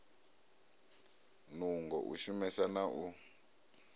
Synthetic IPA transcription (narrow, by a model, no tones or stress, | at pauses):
nuŋɡɔ̰ʔṵʃumɛsanaʔu